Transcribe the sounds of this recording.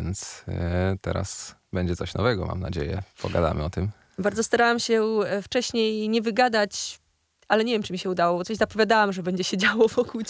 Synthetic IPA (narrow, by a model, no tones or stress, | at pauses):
ɛnt̪st̪ɛ̰ɾa̰sbɛɲd͡ʑɛt̪sɔɕnɔvɛɡɔma̰mna̰d͡ʑejɛ̰pɔɡad̪a̰mɘ̰ɔt̪ɘm | baɾd̪zɔst̪aɾawamɕɛft͡ʂɛɕɲejɲɛvɘɡad̪at͡ɕ | alɛɲevʲjɛmt͡ʂɨmʲiɕɛud̪awɔbɔt̪sɔʑzapɔvʲjad̪awamʐɛbɛɲd͡ʑɛɕed͡ʑawɔvɔkuwt͡ɕ